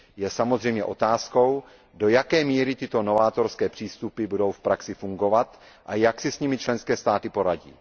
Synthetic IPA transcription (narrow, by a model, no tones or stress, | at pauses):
jɛsamozrɛjmɲɛʔo̞t̪aːsko̞w | do̞jakɛːmiːɾɪt̪ɪt̪o̞no̞vaːt̪o̞ɾskɛːpr̝̥iːst̪upɪbudo̞wfpɾaksɪfuŋɡo̞vat̪ | ʔajaksɪsɲimɪt͡ʃlɛnskɛːst̪aːt̪ɪpo̞ɾaɟḭː